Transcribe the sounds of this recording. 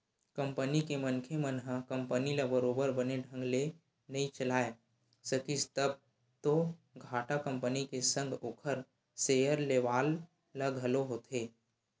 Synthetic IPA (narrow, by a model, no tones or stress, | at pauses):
kɐ̃mpənikemənkʰemənɦakɐ̃mpənilabəɾoːbəɾbəneɖʱə̃ŋɡle | nɐĩt͡ʃəlaːe | səkist̪əb̚ | t̪oɡʱaːʈakə̃mpənikesə̃ŋɡʱoːkʰəɾ | seːjəɾleʋaːl | laɡʱəloɦot̪ʰeː